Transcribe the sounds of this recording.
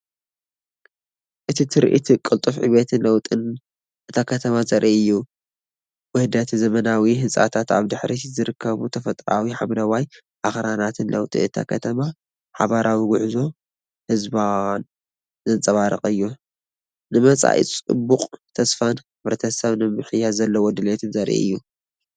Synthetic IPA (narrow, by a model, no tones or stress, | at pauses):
ʔɨt̪ʰit̪ʰɨɾʔḭt̪ʰikʼɨlt̪ʼufʕḭβet̪ʰɨnlɐwt̪ʼɨn | ʔɨt̪ʰakʰɐt̪ʰɐmazɐɾʔiʔɨjːu | wɨhd̪ɐt̪zɐmɐnawiɦɨnsʼa̰t̪ʰat̪a̰βd̪ɨħɾizɨɾɨkʰːɐβut̪ʰɐfɐt̪ʼɾa̰wiħamlɐwaj | ʔaxɾanat̪ʰɨnlɐwt̪ʼḭɨt̪ʰa̰kʰɐt̪ʰɐma | ħaβaɾʔawiɡʊʕzo̞ | hɨzban | zɐnt͡sʼɐβaɾɨχʼɨjːu | nɨmɐt͡sʼa̰ʔḭt͡sʼɨ̰buqʼt̪ʰɐsfan | ɨβɾɐt̪ʰɐsɐβnɨmɨħɨjazɐlːɐwɔd̪ɨlet̪ʰɨnzɐɾʔḭʔɨ̰jːu